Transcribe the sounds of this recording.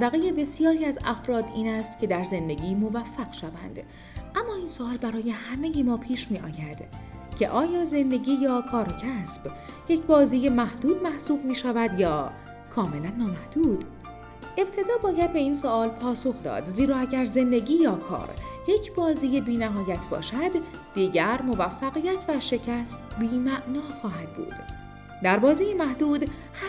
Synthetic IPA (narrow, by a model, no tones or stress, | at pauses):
d̪æɣejebe̞sijɒːɾiːæzæfɾɒːd̪iːnæst̪cʰe̞d̪æɾze̞nd̪e̞ɟiːmo̞væfːæɡ̥ʃævæ̰nd̪̥ | ʔæmːɒːiːnsoɒːlbæɾɒːje̞hæmejiːmɒːpʰiːʃmiːʔɒːjæd̪̥ | cʰe̞ʔɒːjɒːze̞nd̪e̞ɟiːjɒːkʰɒːɾcʰæsb̥ | je̞cʰbɒːziːje̞mæhd̪uːd̪mæhsuːb̚miːʃævæd̪jɒː | kʰɒːme̞lænːɒːmæhd̪̥uːb̥ | ʔe̞b̚t̪ʰe̞d̪ɒːbɒːjæd̪̚be̞iːnsoʔɒːlpʰɒːsoxd̪ɒ̰ːd̪ziːɾɒːæɟæɾze̞nd̪e̞ɟiːjɒːkʰɒ̰ːɾje̞cʰbɒːziːjebiːnæɦɒːjæt̪ʰbɒ̰ːʃæd̪ː | iːɟæɾmo̞væfːæɣijæt̪ʰvæʃe̞cʰæst̪biːmæʔnɒːxɒːɦæd̪̥̚bṵːd̪̥ | d̪æɾbɒːziːjemæhd̪uːd̪ | h